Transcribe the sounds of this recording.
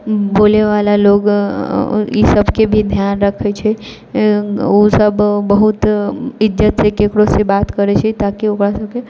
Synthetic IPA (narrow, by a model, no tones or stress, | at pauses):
boleʋalaloɡ | isəbkebʱid̪ʱjanɾəkʰɛt͡ʃʰɛ | osəbbəɦut̪ɪd͡ʒət̪sekekɽosebat̪kəɾɛt͡ʃʰɛt̪akiokɾasəbke